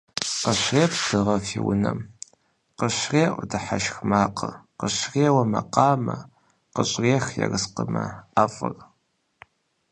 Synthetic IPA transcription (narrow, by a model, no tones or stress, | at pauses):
qəɕreːpdɨʁɐfiwʊnɐm | qəɕreːʔʷʼdɨħaʃxmaːqəqəɕreːwɐmɐqɑːmɐ | qəɕʼreːxjɛ̰rɨsqəmɐafʼɨr